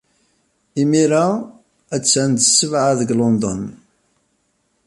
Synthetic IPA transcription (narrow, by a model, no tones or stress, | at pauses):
imiɾa | æt͡sːnd̪sːəvʕaðəɡlond̪ˤɔ̰n